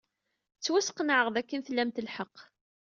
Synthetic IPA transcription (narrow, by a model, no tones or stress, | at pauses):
t͡sːwæsqnʕəʁðækːənθlːæmt̪əlħəqː